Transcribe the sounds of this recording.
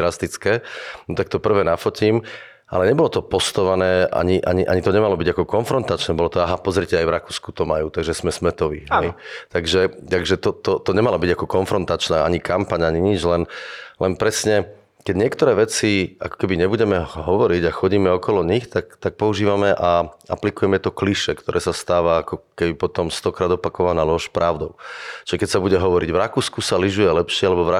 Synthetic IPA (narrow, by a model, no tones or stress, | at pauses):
ɾast̪it͡skɛːnɔt̪ak̚t̪ɔpr̩ʋɛːnafɔcim | ʔa̰lɛɲɛbɔlɔt̪ɔpɔst̪ɔʋanɛːʔa̰ɲiʔa̰ɲiʔa̰ɲit̪ɔɲɛmalɔbiɟakɔkɔnfɾɔnt̪at͡ʃnɛːbɔlɔt̪ɔaɦapɔzɾicɛajvɾakuːskut̪ɔmajuːt̪aɡʒɛsmɛsmɛt̪ɔʋḭɦɛjt̪aɡʒɛt̪aɡʒɛt̪ɔt̪ɔt̪ɔɲɛmalɔbiɟakɔkɔnfɾɔnt̪at͡ʃnaːʔaɲikampaɲaɲiɲid͡ʒlɛnlɛnpɾɛsɲɛ | kɛɟɲɪɛkt̪ɔɾɛːʋɛt͡sia̰kɔ̥kɛbiɲɛbuɟɛmɛɦɔʋɔɾiɟaxɔɟiːmɛɔkɔlɔɲixt̪akt̪ak̚pɔuʒiːʋamɛʔaa̰plikujɛmɛt̪ɔkliʃɛkt̪ɔɾʔɛːsast̪aːʋaakɔkɛbipɔt̪ɔmst̪ɔkɾaːd̪ɔpakɔʋanaːlɔʃpɾaʊd̪ɔʊt͡ʃiʒɛkɛcsabuɟɛɦɔʋɔɾiɟʋɾakuːskusaliʒujɛlɛpʃɪɛalɛbɔʋɾa